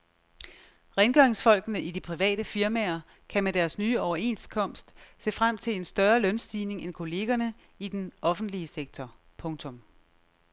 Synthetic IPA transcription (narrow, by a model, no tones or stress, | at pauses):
ʁɛnɡ̥œɐeŋsfɒ̽l̰ɡ̥ənəʔid̥ipʰʁiʋɛ̰ːɾ̥əfiɐmæɐ | kʰæmed̥æɐsnyːɒʊɐe̝̰nskʰɒ̽m̰sd̥se̝̰ːfʁam̰t͡sʰe̝le̝nsd̥ɶɐlœnsd̥iːne̝ŋenkʰo̝le̝ːɡ̥ɐnə | id̥enɒ̽fn̩d̥liəseɡ̥̚t͡sʰɒ | pʰɔ̽ŋt͡sʰɔ̽m